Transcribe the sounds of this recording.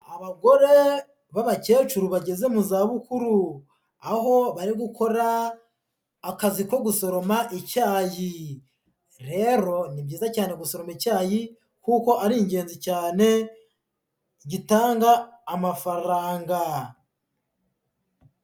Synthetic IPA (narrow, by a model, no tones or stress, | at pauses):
aβaɡo̞ɾe̞ | βaβace̞ːt͡ʃuɾuβaɟe̞ze̞muzaːβukuɾu | aho̞βaɾiɡukʰo̞ɾa | kaziko̞ɡuso̞ɾo̞maʔecaːji | ɾe̞ɾo̞nibjiːzacaːne̞ɡuso̞ɾo̞mecaːji | kuːko̞ʔaɾiɲɟe̞ːnzicaːne̞ | ɟitaːŋɡaːmafaɾaːŋɡa